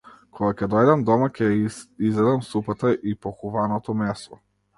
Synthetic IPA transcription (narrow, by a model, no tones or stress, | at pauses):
kʰɔɡakʲɛd̪ɔjd̪amd̪ɔmakʰɛjizlɛd̪amsupat̪aʔipɔxuvanɔt̪ɔmɛsɔ